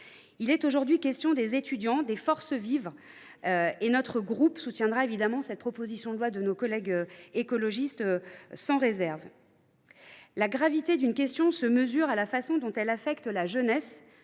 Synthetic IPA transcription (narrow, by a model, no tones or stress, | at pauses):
ilɛt̪oʒuʁd̪ɥikʲɛst̪jɔ̃d̪ezet̪yd̪jɑ̃d̪efɔʁsəvivʁ | enɔt̪χəɡʁupsut̪jɛ̃d̪ʁaevid̪amɑ̃sɛt̪̚pχɔpozisjɔ̃d̪əlwad̪ənokɔlɛɡøekɔlɔʒist̪sɑ̃ʁezɛʁv | laɡʁavit̪ed̪ynkʲɛst̪jɔ̃səməzyʁalafasɔ̃d̪ɔ̃t̪ɛlafɛkt̪laʒənɛs